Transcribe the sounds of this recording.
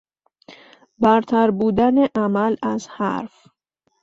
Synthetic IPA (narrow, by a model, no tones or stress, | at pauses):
bæɾt̪ʰæɾbuːd̪æneʔæmælæzhæ̰ɾf